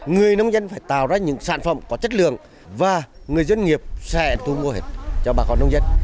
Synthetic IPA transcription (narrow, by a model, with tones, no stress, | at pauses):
ŋɨ˨˩əjnə˧wŋ͡mzə˧nfaː˧˩jt̪a̰ː˧˨wzaː˧ɲɨ̰˧˥ŋsa̰ː˧˨nfə̰˧˨ŋ͡mkɔ˨˦t͡ɕə˦˥t̚lɨ̰˧˨əŋ | vaː˨˩ŋɨ˨˩əjzwə˧nŋi˨˩əp̚sɛ̰˧˩˨t̪u˧mu˧əhe˨˩t̚t͡ɕɔ˧ɓaː˨˩kɔ˨˧nːə˧wŋ͡mzə˧n